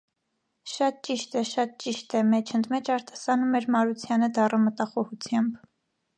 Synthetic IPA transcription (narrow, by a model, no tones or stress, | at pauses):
ʃɑt̪̚t͡ʃiʃt̪ɛʃɑt̪̚t͡ʃiʃt̪ɛmɛt͡ʃʰənd̪mɛt͡ʃʰɑɾt̪ʰɑ̥sɑnumɛɾmɑɾut͡sʰjɑnəd̪ɑrəmət̪ɑχɔhut͡sʰjɑmb